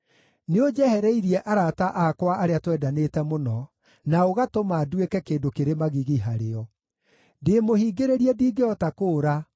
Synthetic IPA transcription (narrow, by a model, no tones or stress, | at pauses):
neod͡ʒɛhɛɾɛiɾiɛʔaɾataʔakwaʔaɾeatwɛːdanetɛmonɔ | naoɣatomaːdwekɛkeːndokeɾemaɣiɣiɦaɾeɔ | deːmohiːɡeɾeɾiɛdiːɡeɔtakoːɾa